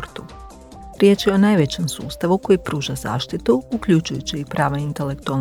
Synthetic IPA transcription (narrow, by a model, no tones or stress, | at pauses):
ɾt̪u | ɾje̞t͡ʃjeo̞najʋe̞t͡ɕe̞msṵːst̪aʋuko̞jipɾuːʒaz̥a̰ːʃt̪it̪uukʎut͡ʃujut͡ɕiːpɾaːʋaint̪e̞le̞kt̪ual